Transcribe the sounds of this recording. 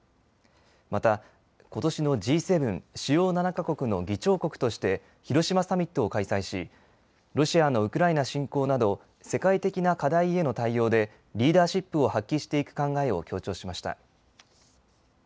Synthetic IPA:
mat̪a | ko̞t̪o̞ɕino̞d͡ʑiːse̞bɯ̟̃ɴɕijo̞ːnanakako̞kɯ̟no̞ɡʲit͡ɕo̞ːko̞kɯ̟̥t̪o̞ɕi̥t̪e̞ | çiɾo̞ɕimasamʲit̪ːo̞ːkaisaiɕi | ɾo̞ɕiano̞ɯ̟kɯ̟ɾainaɕĩŋko̞ːnad̪o̞ | se̞kait̪e̞kʲinakad̪aie̞no̞t̪aijo̞ːd̪e̞ | ɾʲiːd̪aːɕipːɯ̟o̞hakʲːiɕi̥t̪e̞ikɯ̟̥kãŋɡae̞o̞̰kʲo̞ːt͡ɕo̞ːɕimaɕi̥t̪a̰

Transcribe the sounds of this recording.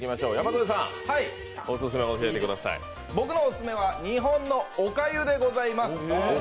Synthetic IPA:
kʲimaɕo̞ːjamakɯd̪esã̰hai | osɨs̬ɨmeooɕiat̪ekɯ̟d̪asa̰ḭ | bo̞kɯ̟no̞ːsɨ̥sɨme̞β̞aɲ̟iɦõ̞nːo̞okajɯ̟d̪e̞ɡo̞zaimasɨ̥

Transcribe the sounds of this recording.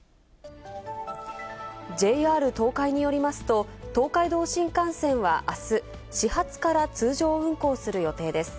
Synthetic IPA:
d͡ʑe̞aːɾɯ̟t̪o̞ːkaiɲ̟ijo̞ɾʲimasɨ̥t̪o̞t̪o̞ːkaid̪o̞ːɕĩŋkãɰ̃sẽ̞ɰ̃βa̰ʔasɨ | ɕihat͡sɨ̥kaɾat͡sɨːʑo̞ːɯ̟̃ŋko̞ːsɨɾɯ̟jo̞t̪e̞ːd̪e̞sɨ̥

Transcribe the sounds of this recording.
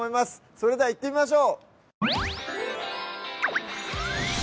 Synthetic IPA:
oimasɨ̥ | so̞ɾe̞d̪e̞ait̪ːe̞mʲimaɕ̬o̞ː

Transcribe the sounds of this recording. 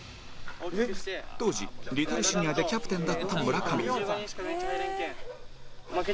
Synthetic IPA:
t̪o̞ːʑḭɾʲit̪oɾɯɕiɲ̟iβad̪e̞kʲapɯ̟̥t̪ẽnd̪at̪ʰːamɯ̟ɾakamʲḭ

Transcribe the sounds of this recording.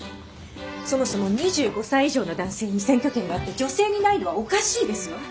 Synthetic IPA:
so̞mo̞so̞mo̞ɲ̟iʑɨːɡo̞saiiʑo̞ːno̞d̪ãɰ̃se̞ːɲ̟isẽ̞ŋkʲo̞kẽŋɡaat̪ːe̞d͡ʑo̞se̞ːɲ̟inaino̞βaokaɕiːd̪e̞sɨjo̞

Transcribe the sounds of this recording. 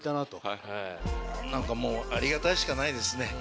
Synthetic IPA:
t̪anat̪o | nãŋkamo̞ːaɾʲiɡat̪aiɕi̥kanaid̪e̞sɨne̞

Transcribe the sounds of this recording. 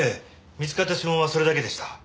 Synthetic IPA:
e | mʲizɨkat̪ːaɕɨmõaso̞ɾe̞d̪ake̞d̪e̞ɕi̥t̪ḁ

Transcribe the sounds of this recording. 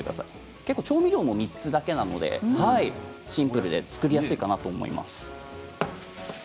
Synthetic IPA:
ekɯd̪asa̰i | ke̞kːoːt͡ɕo̞ːmʲiɾʲo̞ːmo̞mʲit͡sɨd̪ake̞nano̞̰d̪e̞̰hai | ɕĩmpɯ̟ɾɯ̟d̪e̞̰t͡sɨ̥kɯ̟ɾʲijasɨikanat̪o̞ːmo̞̰ḭma̰sɨ̥

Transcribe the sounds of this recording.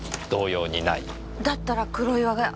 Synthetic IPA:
d̪̥o̞ːjo̞ːɲinai | d̪at̪ːaɾakɯ̟ɾo̞iβaɡa

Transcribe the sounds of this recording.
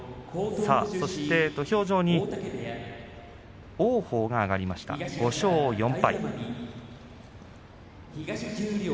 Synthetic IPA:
saːso̞ɕi̥t̪e̞t̪oço̞ːʑo̞ːɲ̟i | oːho̞ːɡaːɡaɾʲimaɕi̥t̪a̰ɡ̥o̞ɕo̞ːjõ̞mpai

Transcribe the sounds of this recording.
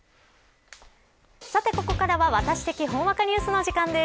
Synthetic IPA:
sat̪e̞ko̞ko̞kaɾaβaβat̪aɕi̥t̪e̞kʲiɦõ̞ɰ̃βakaɲ̟ʲiɯsɨno̞ʑikãnd̪e̞

